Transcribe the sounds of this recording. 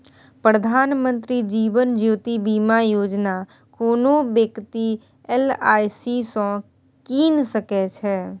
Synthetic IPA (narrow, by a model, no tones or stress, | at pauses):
pɾəd̪ʱaːnmə̃nt̪ɾid͡ʒiːʋənd͡ʒiʋt̪ibiːmajoːd͡ʒna | koːnõbjəkt̪i | ɛlaːisisõː | kiːnsəkɛt͡ʃʰɛː